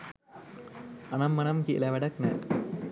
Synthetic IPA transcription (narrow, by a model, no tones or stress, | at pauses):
ɐnɐmːɐnɐmkḭlɐʋɐɽɐknɛ̰